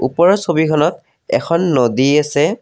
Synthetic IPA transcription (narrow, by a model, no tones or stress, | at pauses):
ṵpɔɹɔsobikʰɔnɔt | ɛ̰kʰɔnːodiasɛ